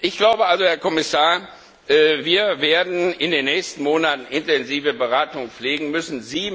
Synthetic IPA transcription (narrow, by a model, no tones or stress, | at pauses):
ʔɪçɡ̥laʊbəalzohɛɐkʰɔmɪsaːɐ | ʔviːɐveːɐdn̩ɪndeːnːɛːçstn̩moːnatn̩ʔɪntɛnziːvəbəʁaːtʊŋp͡fleːɡŋ̩mʏsn̩ziː